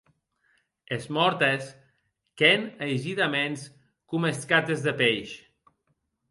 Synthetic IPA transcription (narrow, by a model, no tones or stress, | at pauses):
ezmɔɾt̪es | kenəjʒiðamens | kumeskat̪ezðəpejʃ